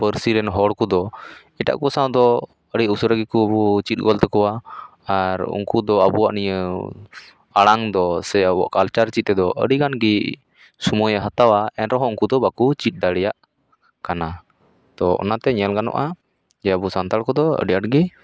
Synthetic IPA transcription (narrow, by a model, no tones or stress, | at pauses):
pəɾsiɾɛnɦɔɽkud̪ɔ | iʈa̰ʔkusãd̪ɔ | əɽiusuɾəɡikuəbut͡ʃit̪̚ˀɡɔlt̪ɛkɔwa | aɾṵŋkud̪ɔəbuwa̰ʔnijə | aɽaŋd̪ɔsɛəbɔ̰ʔkalt͡ʃaɾt͡ʃit̪̚t̪ɛd̪ɔʔə̰ɽiɡanɡi | sumujəɦət̪awaɛnɾɔɦɔ̃uŋkud̪ɔbakut͡ʃit̪̚ˀd̪aɽɛjaʔ | kana | t̪ɔɔ̰nat̪ɛɲɛlɡanɔ̰ʔa | d͡ʒɛəbusant̪aɽkɔd̪ɔə̰ɖiaʈɡi